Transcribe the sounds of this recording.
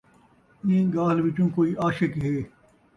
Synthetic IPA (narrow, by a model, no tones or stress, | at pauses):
ĩːɡaːlʋɪt͡ʃũːkoːiːʔaːʃɪkɦeː